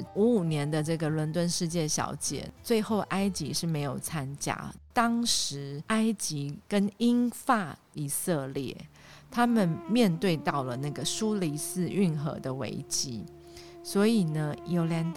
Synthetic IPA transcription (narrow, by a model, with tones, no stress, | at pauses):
u˧˥u˨˩njɛ˧˦˥nd̪ə˧ʈ͡ʂɤ˥˩ɡə˩lwə˧˥nt̪wə˥˧nʂɻ̩˥˧t͡ɕjɛ˥˩ɕjɑ̰˧˥ʊt͡ɕjɛ̰˨˩˦t͡swe˥˧ɪxo˥˩ʊʔa˥ɪt͡ɕi˧˥ʂɻ̩˥˩me˧˥ɪjo˨˩ʊt͡sʰa˦˥nt͡ɕja̰˥t̪ɑ˥ŋʂɻ̩˧˥a˥ɪt͡ɕi˧˥kə˥ni˥nfa˥˩ | i˨˩sɤ˥˧ljɛ̰˥˩ | t̪ʰa˥mə˨nmjɛ˥˧nt̪we˥˧ɪt̪ɑ˥˩ʊlə˩na˥˩ɡə˩ʂu˦li˧˥sɹ̩˥˧y˥˩nxɤ̰˧˥d̪ə˧wḛ˧˥ɪt͡ɕi˥ | swɔ˧˥i˨˩nə˦jo˧˥ʊljɛ˧˥nt̪